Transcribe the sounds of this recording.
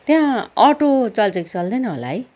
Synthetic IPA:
t̪jãʌʈot͡sʌlt͡sʌkit͡sʌld̪ʌjnʌɦo̰la̰ɦʌj

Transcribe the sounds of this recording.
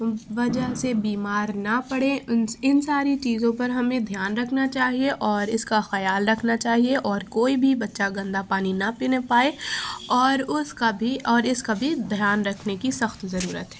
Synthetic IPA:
ʋɐd͡ʒəɦsebiːmaːɾnapɐɽẽnɪnsaːɾit͡ʃiːzõpɐɾɦɐmẽd̪ʱjaːnɾɐkʰnat͡ʃaːɦieʔɔːɾɪskaxɐjaːlɾɐkʰnat͡ʃaːɦieʔɔːɾkoːibʱibɐtːʃaɡɐ̃nd̪apaːninɐpɪnepaːeɔːɾʊskabʱiɔːɾɪskabʱid̪ʱjaːnɾɐkʰnekisɐxt̪zɐɾuːɾə̰t̪ɦɛː

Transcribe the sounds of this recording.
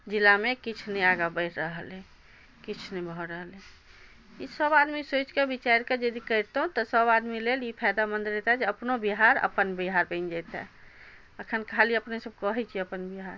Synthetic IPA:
d͡ʒilamekit͡ʃʰneaɡabəɪʈ̪ʰɾəɦəle | kit͡ʃʰnebʱɔɾəɦəle | isəbad̪misot͡ʃkebit͡ʃaɾked͡ʒəd̪ikəɪɾt̪ɦũt̪ɔsəbad̪milelipʰajd̪amə̃nd̪ɾɛt̪ɦɛd͡ʒeəpnobiɦaɾə̰pənbiɦaɾbə̃nd͡ʒajt̪ɦɛ̰ | əkʰənkʰaliəpnesəb̚kəɦɛt͡ʃʰiəpənbiɦaɾ

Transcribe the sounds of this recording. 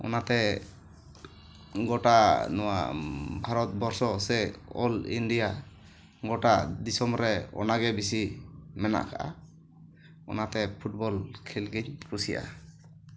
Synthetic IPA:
ɔ̰nat̪ɛ | ɡɔʈanɔwa̰bʱaɾɔt̪̚bɔɾsɔsɛɔ̰lḭnɖija | ɡɔʈad̪isɔmɾɛɔ̰naɡɛbisimɛna̰ʔkʰa̰ʔa̰ | ɔ̰nat̪ɛpʰuʈ̚bɔlkʰɛlɡiɲkʰɾusija̰

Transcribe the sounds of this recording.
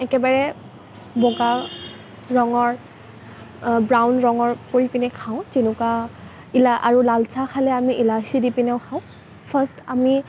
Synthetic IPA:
ɛkɛbaɹɛ | bɔɡa | ɹɔŋɔɹ | bɹawnɹɔŋɔɹpoɹipinɛkʰaʊ̃zinʊkwa | ilaʔa̰ɹulalsʰakʰalɛamiʔilasidipinɛʊ̃kʰaʊ̃ | pʰastami

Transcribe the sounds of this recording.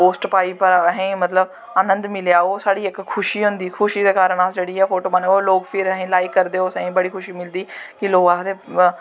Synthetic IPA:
poːsʈpaːiːpəɾəɦĩːmət̪ləb | anə̃nd̪mɪljaːoːsaːɽiːɪkkʰːʊʃiːɦʊ̃nd̪iːkʰʊʃiːd̪eːkaːɾəɳ̃aːd͡ʒeːɽiːɛːpʰoːʈoːmaːneoːloːɡpʰɪɾəɦĩːlaːɪkːəɾd̪eːoːsəɦĩːbəɽiːkʰʊʃiːmɪld̪iːkɪloːɡaːd̪eː

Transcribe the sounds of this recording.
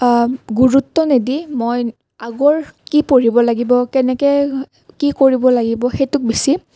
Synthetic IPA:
ɡuɹutːɔnedimoj | aɡɔɹkipoɹibɔlaɡibɔkɛnɛkɛ | kikoɹibɔlaɡibɔxejtʊk̚bisi

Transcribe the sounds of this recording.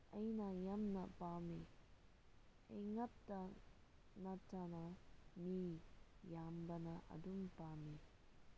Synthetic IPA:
ɐjnɐjamnɐpami | ḛjŋɐp̚tɐ | nɐtʰɐnomijambɐnɐʔɐ̰dumpami

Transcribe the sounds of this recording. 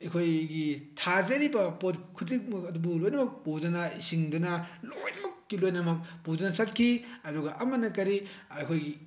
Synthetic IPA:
ikʰojɡitʰazɐɾibɐpotkʰut̬ik̚mɐkɐdubulojnɐmɐk̚pudɐnɐisiŋdɐnɐlojnɐmɐkːilojnɐmɐk̚pudɐnɐsɐt̚kʰiɐdɔɡɐʔɐmɐnɐkɐɾiɐkʰojɡi

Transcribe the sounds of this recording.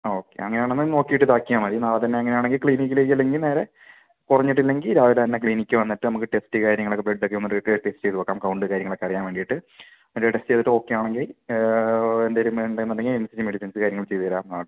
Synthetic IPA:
o̞ːkːe̞̰ɐ̰ŋːɐneaːɳnɐmːɐno̞ːkːijiʈːɨt̪aːkːijaːmɐɾinaːt̪ɐnːe̞ɐŋːɐnejaːɳeŋɡilkɭiːnik̬ʲːileːkːilːeŋɡilneːɾe̞ | kurɐɲːiʈːilːe̞ŋɡilɾaːʋilet̪ɐnːe̞kɭiːnikʲːɨʋɐnːiʈːɨnɐmukːɨʈestɨkaːɾjɐŋːɐɭokːebreɖːokːeʋunːuɾiʈːʈesʈɨt͡ɕe̞jt̪upokːaːmkɐwɳɖɨkaːɾjɐŋːɐɭokːeɐɽijaːnʋeːɳɖijiʈːɨ | mɐeʈesʈɨejðiʈːɨo̞ːkːejaːɳe̞ŋɡil | end̪ɐɾumenɖenːɐɽɐŋːiemsid͡ʑɨmeɽisɐnsɨkaːɾjɐŋːɐɭt͡ɕe̞jðiɐɾaːmaːɽ

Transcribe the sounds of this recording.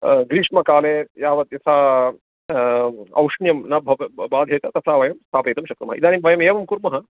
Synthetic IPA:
ɡɾiːʂmɐkaːleːjaːʋɐt̪jɐsaː | ɐ̰wʂɳjɐmnɐbʱɐʋbaːd̪ʱjeːt̪ɐt̪ɐsaːʋɐjɐmst̪ʰaːpeːt̪ɐmʃɐkɾumɐɦɐ̰id̪aːnimʋʱɐjɐmeːʋɐmkuɾmɐɦɐ

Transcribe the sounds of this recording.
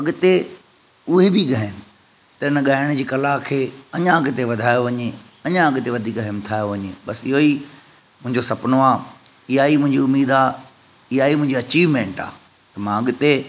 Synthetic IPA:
ɐɠʊt̪e | ʊɦebʱiɠɐɦɪnɪ̆ | t̪ɐɪnəɠaːɪɽ̃d͡ʑiːkɐlakʰeːɐɲãɐɠt̪eʋɐd̪ʱaːjoʋɐɲe | ɐɲãɐɠt̪eʋɐd̪ʱiːkɐɦɪmt̪ʰaːjoʋɐɲeɓɐsɪɦoi | mʊ̃ɦɪ̃ɲd͡ʑosɐpnoaː | ɪɦaːimʊ̃ɦɪ̃ɲd͡ʑiʊmiːd̪aː | ɪɦaːimʊ̃ɦɪ̃ɲd͡ʑiɐt͡ɕiːʋmẽːɳʈa̰ː | t̪ɐmãɐɠt̪e

